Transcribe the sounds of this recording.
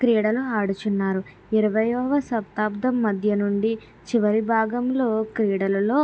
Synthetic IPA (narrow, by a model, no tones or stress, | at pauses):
kɾiːɽɐluaːɽut͡ʃunːaːɾu | iɾɐʋɐjɔːʋɐsɐpt̪aːbd̪ɐmːɐd̪ʱjɐnuɳɖi | t͡ʃiʋɐɾibʱaːɡɐmlo̞ːkɾiːɽɐlɐlo̞ː